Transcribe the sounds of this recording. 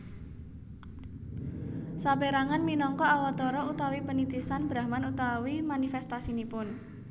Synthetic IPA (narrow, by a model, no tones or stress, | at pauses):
sapeɾaŋanminɔŋkɔawɔt̪ɔɾɔut̪awipənit̪isanb̥ɾahmanut̪awimanifɛst̪asinipʊn